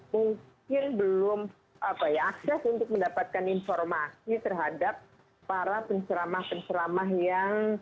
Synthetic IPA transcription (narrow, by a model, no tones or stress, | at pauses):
muŋkkɪnbəlʊm | ʔəkajaaksɛsunt̪ʊk̚məndapat̪̚kaninfɔrmasit̪ərɦadap̚ː | aɾapəɲt͡ʃəɾamahpəɲt͡ʃəɾamaɦjaŋ